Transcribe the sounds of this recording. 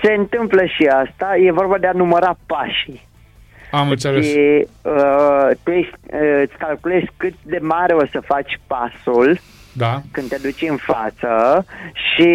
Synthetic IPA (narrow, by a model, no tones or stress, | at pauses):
se̞ɨnt̪ɨmpləʃiast̪aje̞vo̞rbad̪eanuməɾapaʃi | amɨnt̪seleiət̪uje̞ʃt̪ʲɨt̪sʲkalkule̞skɨt̪̚d̪e̞maɾe̞o̞səfat͡ʃʲpasul | d̪akɨnd̪ead̪ut͡ʃɨnfa̰t̪səʃi